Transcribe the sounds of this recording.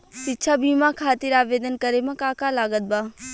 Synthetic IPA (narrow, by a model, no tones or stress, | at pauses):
sɪt͡ʃʰaːbʱiːmãkʰaːt̪ɪɾaːʋeːd̪ənkəɾemãkaːkalaːɡət̪̚baː